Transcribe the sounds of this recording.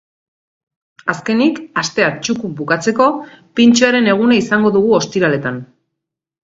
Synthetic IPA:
aske̞nikast̪e̞at͡ʃukubukat͡se̞ko̞pint͡ʃuaɾe̞ne̞ɣ̞unaisaŋɡo̞ðuɣuo̞st̪iɾale̞t̪an

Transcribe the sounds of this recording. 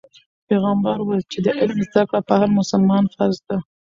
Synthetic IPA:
peɣambaɾwat͡ʃed̪əʔɪlmzd̪akɽapəhaɾmʊsalmɑnfaɾzd̪a

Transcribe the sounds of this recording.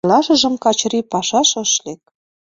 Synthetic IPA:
lɑʃə̆ʒə̆mkɑt͡ɕɾipɑʃɑʃə̆ʃlek̚

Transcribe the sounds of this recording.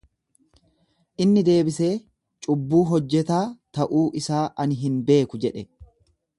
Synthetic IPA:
ʔɪnːɪd̪e̞ːbɪse̞ː | t͡ʃʼʊbːuːɦɔd͡ʒːɛt̪aːt̪ɐʔuːʔɪsaːʔɐnɦɪnbe̞ːkʊd͡ʒɛᶑɛ

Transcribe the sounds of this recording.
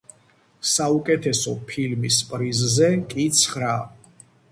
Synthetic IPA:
saukʼɛt̪ʰɛsɔpʰilmispʼɾizzɛkʼit̪sʰχɾa

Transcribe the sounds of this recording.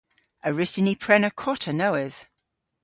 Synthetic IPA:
əɹɪsɪnipʰɹ̥ɛnəkʰɔtʰənəwɪð̥

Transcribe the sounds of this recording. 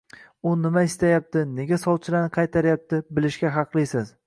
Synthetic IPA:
ʊnɪmaɪst̪ajap̚t̪ʰɪne̞ɡʲasɒlˠt͡ʃʰɪlaɾnɪqʰɑjt̪ʰaɾjap̚t̪ʰɪbɪlɪʃkʲaɦɑqʰlˠɪsɪz̥

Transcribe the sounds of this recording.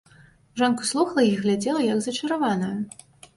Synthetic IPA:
ʐɔnkuslˠuxɐlˠɐiɣlʲad͡zʲɛlˠɐjɐɡzɐt͡ʂɐɾavanɐju

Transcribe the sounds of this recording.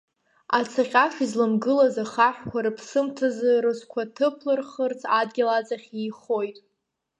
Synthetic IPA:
at͡sʰaqʲʼaʃizlɨmɡɨlazaχaħʷᶣkʷʰaɾɨpʰsɨmtʰazɨrɨsʷkʷʰatʰɨpʰlɨrχərt͡sʰʼadɡʲalat͡sʼaχʲijχo̞jtʼ

